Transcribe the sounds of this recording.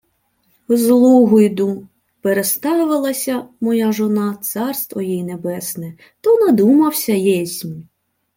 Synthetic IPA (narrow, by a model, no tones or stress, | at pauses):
zlˠuɦʊjd̪u | peɾest̪ɑʋɪlˠɐsʲɐmɔjaʒɔnɑt̪sɑrst̪ʋɔjijnebɛsnɛ | t̪ɔnɐd̪umɐwsʲɐjɛsʲnʲi